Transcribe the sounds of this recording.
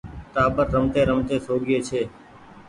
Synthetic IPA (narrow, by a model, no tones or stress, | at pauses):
t̪aːbəɾːəmt̪eːɾəmt̪eːsʰoːɡɪeːt͡ʃʰeː